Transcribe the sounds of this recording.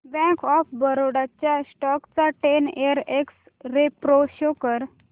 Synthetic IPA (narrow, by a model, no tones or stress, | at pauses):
bɛ̃kɔfbəɾoɽat͡ɕjasʈɔkt͡saʈeneəɾeks | ɾepɾoɕokəɾ